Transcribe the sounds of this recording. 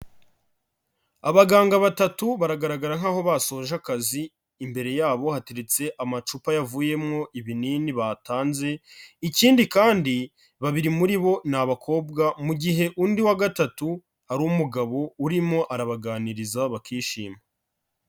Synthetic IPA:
aβaɡaːŋɡaβatatuβaɾaɡaɾaɡaɾaŋ̥aːho̞βaso̞ːʒakaziː | mbe̞ɾe̞jaːβo̞hate̞ɾet͡se̞ʔamat͡ʃupajavuːje̞mŋo̞ʔiβininiβataːnze̞iciːndikaːndi | βaβiɾimuɾiβo̞naβakʰo̞ːbɡamuɟiɦe̞ʔuːndiwaɡatatu | haɾumuɡaβo̞uɾimŋo̞ʔaɾaβaɡaːniɾizaβakiːʃḭːma

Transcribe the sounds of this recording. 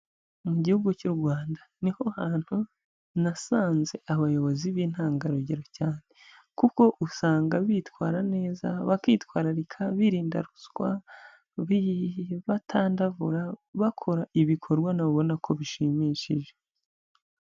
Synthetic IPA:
muɟihuɡucuɾɡwaːndaniho̞haːn̥hu | nasaːnze̞ʔaβajo̞βo̞ziβiːn̥haːŋɡaɾoɟeɾocaːne̞ | kuko̞ʔusaːŋɡaβiːtwaːɾane̞ːza̰βakiːtwaːɾaɾikʰaβiɾiːnda̰ɾuskwa̰ | βiβatʰaːndavuɾaβakʰo̞ɾaiβikʰo̞ɾɡwanaβoβo̞nakʰo̞βiʃimiːʃiʒe

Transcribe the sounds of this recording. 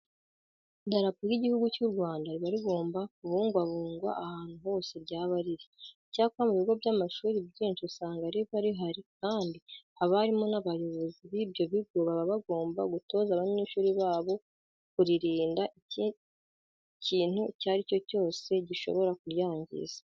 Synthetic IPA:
daɾapuɾiɟihuɡucuɾɡwaːndaɾiβaɾiβo̞ːmbakuβuːŋɡwaβuːŋɡwa̰ʔahaːn̥uho̞ːse̞bɟaːβaɾiɾi | caːkuβamuβiɡo̞bɟamaʃuːɾibɟiːnʃisaːŋɡaɾiβaɾiɦaɾikaːndihaβaɾimo̞naβajoβo̞ziβibjo̞βiɡoβaβaβaɡo̞ːmbaɡuto̞ːzaβaɲiːʃuːɾiβaːβo̞ | kuɾiɾiːndaʔi | ciːn̥hucaɾico̞co̞ːse̞ɟiʃo̞̰βo̞ɾak̚uɾjaːɲɟḭzḁ

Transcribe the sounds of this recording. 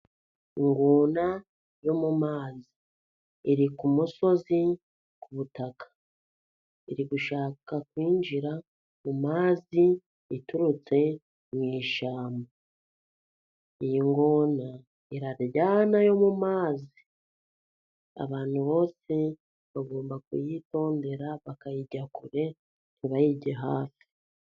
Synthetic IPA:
iŋɡoːna | jo̞mumaːziː | ɾikumuso̞zi | kuβutakʰḁ | iɾiɡuʃaːkakwiːnd͡ʒiɾa | mumaːzi | ituɾut͡se̞ | mwiːʃaːmba | ijiŋɡo̞na | iɾaɾɟaːnajo̞mumaːzi | a̰βaːn̥huβo̞ːse̞ | βaɡo̞ːmbakṵjito̞ːnde̞ɾaβakajiɟakuɾe̞ | niβajiɟeɦaːfi̥

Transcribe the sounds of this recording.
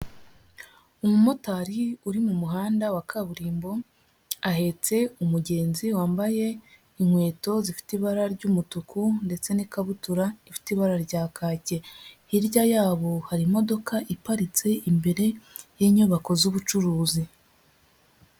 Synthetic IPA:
umumo̞taɾiuɾimumuɦaːndawakʰaβuɾiːmbo̞ | ahe̞t͡se̞umuɟe̞ːnziwaːmbaje̞ | iŋ̥we̞ːto̞zifi̥tiβaɾaɾɟumutukunde̞t͡se̞nikaβutuɾaifi̥tiβaɾaɾɟaːkʰaːce̞ | iɾɟajaːβo̞haɾimo̞do̞kaʔipaɾit͡se̞ʔimbe̞ɾe̞jeɲuβako̞zuβut͡ʃuɾuːzi

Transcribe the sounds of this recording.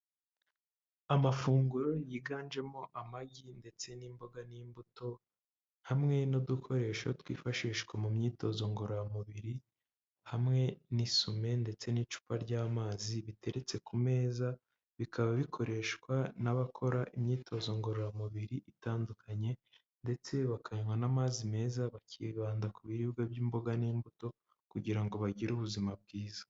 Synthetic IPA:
amafuːŋɡuɾo̞jiːɡaːnd͡ʒe̞mo̞ʔamaɡinde̞t͡se̞niːmbo̞ɡaniːmbuto̞ | hamŋe̞nodukʰo̞ɾe̞ʃotwḭːfaʃiːʃkwamumɲiːto̞zo̞ŋɡoɾojamuβiɾi | hamŋe̞nisume̞nde̞t͡se̞nit͡ʃu̥paɾɟaːmaːziβite̞ɾʔe̞t͡se̞kume̞ːza | βikʰaβaβikʰo̞ɾe̞ʃkwanaβakʰo̞ɾaʔimɲiːto̞zo̞ŋɡo̞ɾojamuβiɾiʔitaːndukʰaɲe̞ | nde̞t͡se̞βakʰaɲwanamaːzime̞ːzaβaciβaːndakuβiɾiɡaβjiːmbo̞ɡaniːmbuto̞ | kuɟiɾaŋɡo̞βaɟiɾuβuzimab̚ɡiːzḁ

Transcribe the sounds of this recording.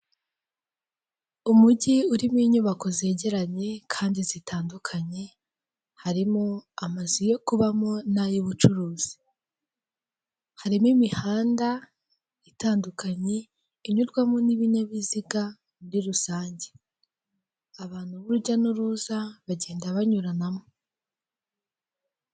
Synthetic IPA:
umuɟiuɾimwiːɲuβako̞ze̞ːɟe̞ɾaɲe̞kʰaːndizitʰaːndukʰaɲe̞ | haɾimoamazijo̞kuβamonajiβut͡ʃuɾuːz̥i̥ | haɾimwimihaːnda | itaːndukʰaɲe̞ | iɲuɾɡwamoniβineβiziɡa | nɾiɾusaːɲɟe̞ | aβaːn̥huβuɾuɟanuɾuːzaβaɟe̞ːndaβaɲuɾanamo

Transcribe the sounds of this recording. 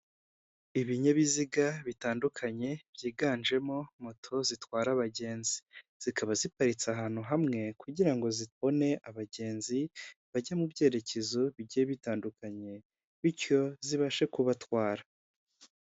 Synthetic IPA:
iβiɲeβiziɡaβitaːndukʰaɲe̞b̥jiːɡaːnʒe̞mo̞motʰo̞zitwaːɾaβaɟe̞ːnziz̥ikaβazipaɾit͡saɦaːn̥huɦamŋe̞kuɟiɾaŋɡo̞ziβo̞ne̞ʔaβaɟe̞ːnziβaɟamubɟe̞ːɾe̞ce̞zoβiɟeβitaːndukaɲe̞ | βiɾjo̞ziβaʃekuβatwaːɾa

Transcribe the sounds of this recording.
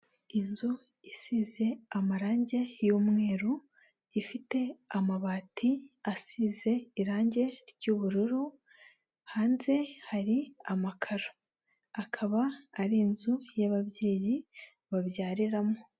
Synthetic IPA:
inzu | isiːze̞amaɾaːɲɟe̞juːmŋe̞ːɾu | ifite̞amaβaːtʰiasiːze̞iɾaːɲɟe̞ɾɟuːβuɾuɾu | haːnze̞haɾiamakʰaɾo̥ | akʰaβaːɾinzujaβaβje̞ːji | βaβjaːɾiɾamo

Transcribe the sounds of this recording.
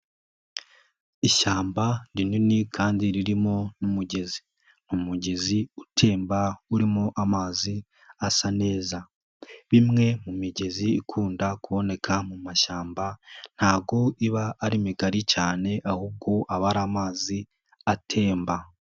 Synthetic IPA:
iʃaːmbandininikʰaːndiɾiɾimo̞numuɟe̞zi | numuɟe̞ziutʰe̞ːmbauɾimo̞ʔamaːzi | asane̞ːza | βimŋe̞mumiɟe̞ziːkʰuːndakuβo̞ne̞kʰamumaʃaːmban̥haːb̚ɡo̞iβaʔːɾimiɡaɾicaːne̞ʔahuːb̚ɡo̞ʔaβaɾaːmaːzi | atʰe̞ːmba

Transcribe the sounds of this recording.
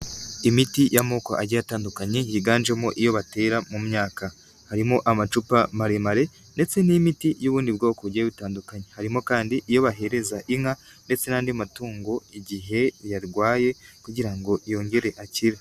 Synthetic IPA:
imitijʔamoːko̰ʔa̰ɟajataːndukaɲe̞jiɡaːnd͡ʒemoʔijo̞βate̞ːɾamumɲaːka | haɾimo̞ʔamat͡ʃupamaɾemaɾe̞ | nde̞t͡se̞nimitijuβuːndibɡo̞ːkoɟieβitaːndukaɲehaɾimo̞kaːndiʔijo̞βaɦe̞ɾe̞zaʔiŋa | nde̞t͡se̞naːndiamatuːŋɡo̞iɟiɦe̞jaɾɡwaːje̞kuɟiɾaŋɡo̞ʔijo̞ːŋɡe̞ɾe̞ʔaciɾa

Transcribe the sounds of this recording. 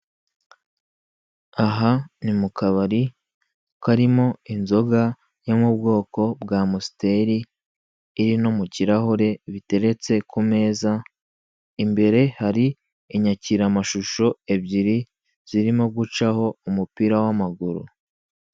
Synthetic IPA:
aɦanimukʰaβaɾi | kaɾimo̞inzo̞ɡa | jomubɡo̞ːko̞bɡaːmusi̥te̞ɾiː | ɾino̞muciɾaɦoɾe̞βite̞ɾe̞t͡se̞kume̞ːza | imbe̞ɾe̞haɾi | iɲaciɾamaʃuʃo̞e̞bɟiɾi | z̥iɾimo̞ɡut͡ʃaho̞umupiɾawamaɡuɾṵ

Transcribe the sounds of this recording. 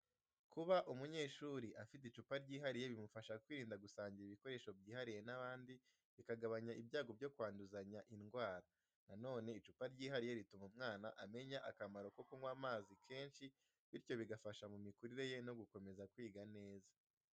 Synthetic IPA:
kuβaʔumuɲe̞ːʃuɾiʔafit̬it͡ʃupaɾɟiːɦaɾije̞βimufaʃakwiːɾiːndaɡusaːɲɟiɾiβiko̞ɾe̞ːʃo̞bɟiːhaɾije̞naβaːndi | βikaɡaβaɲaibjaːɡo̞b̚ɟo̞kwaːnduzaɲaʔinɡwaːɾa | nano̞ːne̞it͡ʃupaɾɟiːɦaɾije̞ɾitumumŋaːnaʔame̞ɲaʔakamaɾo̞kokuŋwaːmaːzikʰe̞ːnʃi | βiɾjo̞βiɡafaʃamumikuɾiɾe̞je̞no̞ɡuko̞me̞zakwiːɡane̞ːza

